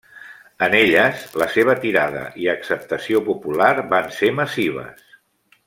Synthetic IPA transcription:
əneʎəzləseβ̞ət̪iɾaðə̰ʔiəksəp̚t̪əsiopupulaɾbanseməsiβ̞ə̰s

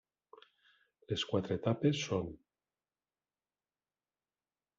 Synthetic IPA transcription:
leskwat̪ɾet̪apesːon

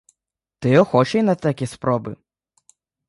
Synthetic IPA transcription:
t̪ɪɔxɔt͡ʃejnɐt̪ɐkʲispɾɔbɪ̰

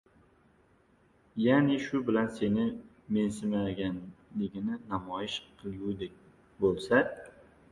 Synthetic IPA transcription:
janeʃʊbɪlanse̞nɪ | me̞nsɪmaɡʲanlɪɡʲɪnɪnamɒjɪʃqʰɨlˠud̪ek̚ʲ | bolˠsa

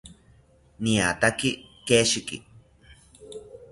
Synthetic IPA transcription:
nĩat̪akikeʃikḭ

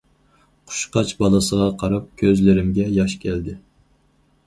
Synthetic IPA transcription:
qʰʊ̥ʃqɑt͡ʃbɑlˠɨsəʁɑqʰɑɾɑp̚kʲʰøzlɪɾɪmɡʲɛjɑʃkʲʰɛld̪ɪ

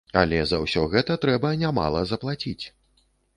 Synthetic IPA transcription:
a̰lʲɛzɐwsʲɔɣɛt̪ɐt̪ɾɛbɐnʲama̰lˠɐ̰zɐplˠat͡sʲit͡sʲ

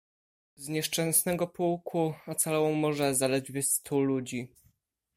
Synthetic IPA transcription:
zɲɛʂt͡ʂɛ̃ñsnɛɡɔpuwkʰuɔt̪salɔwɔ̃mɔʐɛzalɛd̪vʲɘst̪ʰulud͡ʑi

